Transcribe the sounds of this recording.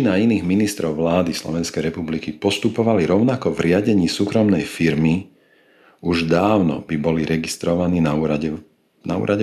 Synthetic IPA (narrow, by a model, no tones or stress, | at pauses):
inainiːɣminist̪ɾɔʊʋlaːd̪islɔ̰ʋɛnskɛjɾɛpublikipɔst̪upɔʋaliɾɔʊnakɔvɾɪaɟɛɲiːsuːkɾɔmnɛjfiɾmi | uʒd̪aːʊnɔ̰bibɔliɾɛɡist̪ɾɔʋaniːnauːɾaɛ | na̰ṵːɾʔaɟɛ